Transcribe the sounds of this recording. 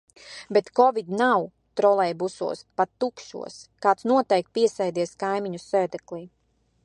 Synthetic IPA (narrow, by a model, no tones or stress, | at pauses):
bet̪kɔvid̪naw | t̪ɾɔlˠɛjbusṵɔspat̪ːukʃṵɔskaːt̪snuɔt̪ɛjk̚t̪̚piɛsɛjd̪iɛskajmiɲusɛːd̪ɛklˠiː